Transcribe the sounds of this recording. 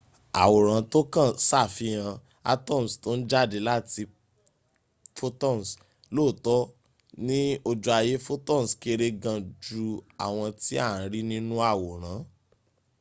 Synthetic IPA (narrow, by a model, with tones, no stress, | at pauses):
a̰˨wo˨ɾ̃ã˨˦to˦kã˦˨sa˦˨fi˧j̃ã˧ | a̰˧˦tɔ̃˦˨m̩˨sto˦n̩˦d͡ʒa˦˨de˨˦la˦ti˧ | fo˦tɔ˦˨m˨s | lo˦˨tɔ˦ | nĩ˦o˧d͡ʒu˧˦a˧je˦fo˦tɔ̃˦˨ske˧ɾe˧ɡã˧d͡ʒu˧a˨w̃ɔ̃˧ti˦a˦˨˦ɾi˦nĩ˦nũ˦a˦˨wo˨ɾ̃ã˨˦